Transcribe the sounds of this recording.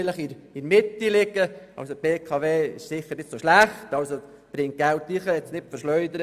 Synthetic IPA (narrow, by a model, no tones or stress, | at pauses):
ləχiinmɪt̪ːilɪɡəɑ̰lsob̥eːkʰɑveːɪ̰ʃsɪχəɾnɪtsoʃlæχtɑlso | b̥ɾɪŋt̚ɡ̥ælt̪ːiχəɛt͡snɪtfəɾʃlœʏd̪əɾ